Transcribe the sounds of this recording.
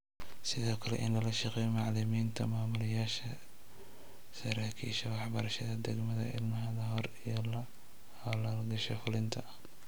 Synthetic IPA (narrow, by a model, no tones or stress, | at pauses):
sɪðɔːkʰɐlɛ̰ʔɪnlɐlɐʃɑqɛjmɑʕlɪmiːnt̪ʰɐ̰maːmʊlɪjaːʃɐ | sɐɾaːkʰḭːʃɐwɑħbɐɾɐʃɐðɐd̪ɛɡmɐðɐ̰ɪ̰lmɐɦɐðɐɦɔrijɔlɐ | hɐlɐlɡɐʃɔfʊlɪnt̪ʰɐ